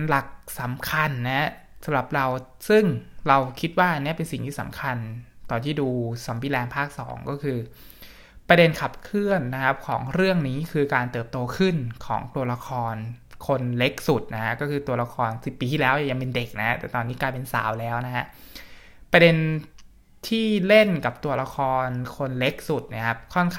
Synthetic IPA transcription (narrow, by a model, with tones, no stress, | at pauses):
la˨˩k̚sa˩˦mkʰa˧nːa˦˥ha˦˥ | sa˨˩˦mɾa˨˩p̚ɾa˧w | sɯ˥˩ŋɾa˧wkʰi˦˥t̪̚waː˥˩ni˦˥ɐpe˧nsi˨˩ŋt̪ʰiː˥˩sa̰˩˦mkʰa˧nt̪ɔː˨˩t̪ʰiː˥˩duː˧sa˩˦mbiː˧˦lɛː˧npʰaː˥˩k̚sɔ̰ː˩˦ŋkɔː˥˩kʰɯː˧ | pɾa˧de˧nkʰa˨˩p̚kʰɯ˥˩ənːa˦˥kʰa˦˥p̚kʰɔ̰ː˩˦ŋɾɯ˥˩əŋniː˦˥kʰɯː˧kaː˧nt̪ɤː˨˩p̚t̪oː˧kʰɯ˥˩nkʰɔ̰ː˩˦ŋt̪u˧ɐla˧kʰɔː˧nkʰo˧nle˦˥k̚su˨˩t̪̚na˦˥kʰa˦˥kɔː˥˩kɯː˧t̪u˧ɐla˧kʰɔː˧nsi˨˩pːiː˧t̪ʰiː˥˩lɛː˦˥wja˧ŋja˧ŋpe˧nde˨˩k̚na˦hʰa˦˥t̪ɛː˨˩t̪ɔː˧nːiː˦˥klaː˧jpe˧nsa̰ː˩˦wlɛː˦˥wna˦˥hʰa˦˥ | pɾa˧de˧n | t̪ʰiː˥˩le˥˩nka˨˩p̚t̪u˧ɐla˧kʰɔː˧nkʰo˧nle˦˥k̚su˨˩t̪̚na˦˥˩kʰa˦˥p̚kʰɔ˥˩nkʰ